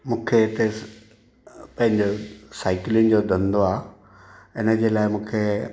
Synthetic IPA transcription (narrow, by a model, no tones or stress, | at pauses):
mũːkʰeɪt̪e | pɐ̃ɦɪ̃ɲd͡ʑosaːɪkɪlɪʊn̆d͡ʑod̪ʱɐ̃nd̪oaː | ɪnə̆d͡ʑeːlaːɪmũːkʰe